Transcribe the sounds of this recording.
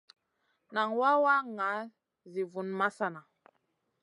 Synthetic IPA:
na˨ŋwa˦wa˦ŋa˨˦ | zi˨vu˨nma˦sa˨na˨

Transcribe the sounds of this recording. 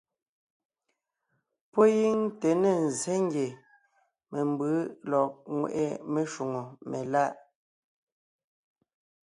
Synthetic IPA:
pɔ˦ji˦ŋte˨ne˨n˨zɛ˦ŋ˦ɡje˨ | me˨m˨bɯ˨˦lɔ˨k̚ŋwḛ˨ʔḛ˦˨me˦ʃu˨ŋo˨me˨la˦ʔ

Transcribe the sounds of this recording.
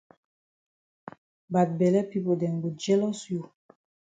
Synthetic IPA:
ba˨t̚bɛ˨lɛ˦pi˦po˨dɛ˨ŋbu˨d͡ʒɛ˦lɔ˦sju˨

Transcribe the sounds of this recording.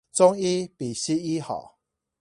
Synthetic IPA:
t͡sɔ˦ŋi˦pi˨˩ɕi˦i˦hɔ̰˨˩˨

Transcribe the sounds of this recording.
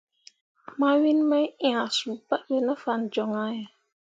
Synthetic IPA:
ma˦wi˦nmə˦ĩ˦ã˨su˨ba˦be˦nə˦fa˨nd͡ʒɔ˨ŋa˦jɛ˨

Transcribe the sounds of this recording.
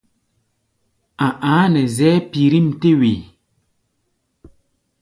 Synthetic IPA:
ã˨ʔãː˨˦nɛ˨zɛː˦pi˨ɾi˦˨mte˦we˨

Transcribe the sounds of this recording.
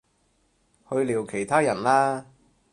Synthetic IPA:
hɵ˧ɥliː˨˩wkʰe˨˩jt̪ʰaː˥jɐ˨˩nlaː˥

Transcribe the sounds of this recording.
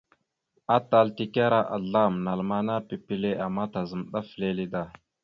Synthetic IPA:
a˦ta˦lti˦ka˦ɾa˦ʔa̰˨ɮa˦˨mna˨lma˨na˦pi˨pi˦le˦a˨mːa˦ta˨zə˨mɗa˦fle˦li˦da˦˨

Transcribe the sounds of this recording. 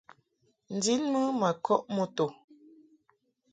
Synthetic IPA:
n̩˨di˦lmə˦ma˨kʰɔ˦ʔmo˦to˨

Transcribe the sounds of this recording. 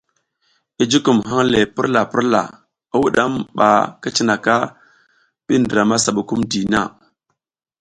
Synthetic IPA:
i˦d͡ʒi˦ku˨mɦa˦ŋle˨pi˦ɾla˨pi˦ɾla̰˨ | a˦wu˦ɗa˦mɓa̰˨ka˦t͡ʃi˦na˨ka˦ | ɓi˦ndɾa˨ma˦sa˨ɓu˨ku˦mdi˨na˦˨

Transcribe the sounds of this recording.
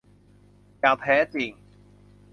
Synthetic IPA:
jaː˨˩wp̪ʰɛː˨˩˥t͡siː˨˩ŋ

